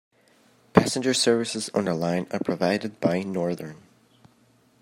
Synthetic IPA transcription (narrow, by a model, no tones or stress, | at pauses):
pʰæsɨ̃nd͡ʒə˞sɜ˞vɨsɪzə̰̃nə˞lˠãɪ̃nə˞pʰɹ̥əvaɪɾɨd̚baɪnɔɹðə˞n